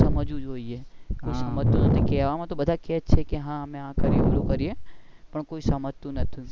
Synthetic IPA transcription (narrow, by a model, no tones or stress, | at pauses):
səməd͡ʒũd͡ʒɦoːiekoisəmət̪ːũnət̪ʰikɛʋamãt̪obəd̪ʱakɛt͡ʃʰekeɦãəmẽɦãkəɾiebulokəɾie | pəɳkoːisəmət̪ːũnət̪ʰĩ